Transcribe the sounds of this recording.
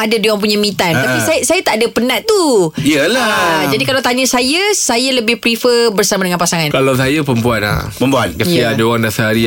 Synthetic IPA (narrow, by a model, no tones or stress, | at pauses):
ʔadaduaŋp̬uɲamĩt̪ant̪apisajsajat̪aʔdapənaʔt̪uiəlad͡ʒadikalawt̪aɲasajasajaləbɪhpɾifəbərsamadəŋãnpasaŋankalaws̬ajapəmpuana̰pəmpuankaiadaoɾaŋdasaaɾi